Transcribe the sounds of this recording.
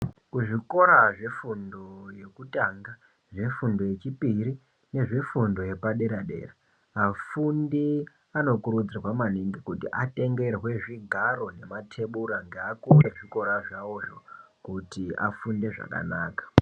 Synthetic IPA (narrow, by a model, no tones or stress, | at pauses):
kuʐiko̞ɾaʐe̞fundo̞je̞kutaːŋɡa | ʐe̞fundo̞je̞t͡ʃipiɾi | ne̞ʐe̞fundo̞je̞paɗe̞ɾaɗe̞̰ra | afundi | ano̞kuɾud͡zawamaniŋɡikutiʔate̞ŋɡe̞ɾeɦwe̞ʐiɡʱaɾo̞ne̞matʰe̞ɓuɾaŋɡeakureʐiko̞ɾaʐawo̞ʐo̞ | kutiafunde̞ʐa̰ka̰naːkḁ